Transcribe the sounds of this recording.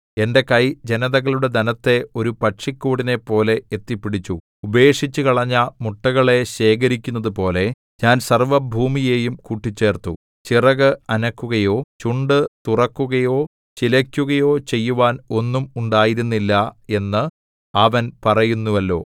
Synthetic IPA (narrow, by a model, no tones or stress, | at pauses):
e̞nde̞kɐjd͡ʑe̞nɐðɐɣɐɭuɽe̞d̪ɐnɐt̪ːe̞o̞ɾupɐʈʂikːuːɽine̞pːo̞ːle̞et̪ːipːiɽit͡ɕːu | ube̞ːʂit͡ɕːukɐɭɐɲːɐmuʈːɐɣɐɭe̞ɕe̞ːk̬ɐɾikʲːunːɐðupo̞ːle̞ | ɲaːnsɐrʋɐbʱuːmije̞ːjumkuːʈːit͡ɕːe̞ːrt̪u | t͡ɕirɐɣɨɐnɐkːuɣɐjo̞ːt͡ɕuɳɖɨt̪urɐkːuɣɐjo̞ː | t͡ɕilɐkʲːuɣɐjo̞ːt͡ɕe̞jːuʋaːno̞nːumuɳɖaːjiɾunːilːɐe̞nːɨ | ɐʋɐnpɐrɐjunːuʋɐlːo̞̰ː